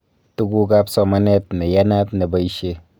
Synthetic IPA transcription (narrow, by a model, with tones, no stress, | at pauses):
tu˦ku˦ka˦psɔ˨ma˦nɛ˦tne˨ja˦na˦tne˨ba˨i˦ʃe˦